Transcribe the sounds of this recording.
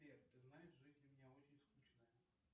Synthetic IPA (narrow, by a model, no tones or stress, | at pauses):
pʲerʲt̪ɨznajɪʂʐɪtʲdlʲɐmʲɪnʲaot͡ʃɪnʲskut͡ɕnɐjɐ